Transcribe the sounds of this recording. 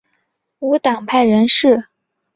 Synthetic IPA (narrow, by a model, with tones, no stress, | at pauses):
u˧˥t̪ɑ˨˩ŋpʰa˥˩ɪɻə˧˥nʂɻ̩˥˩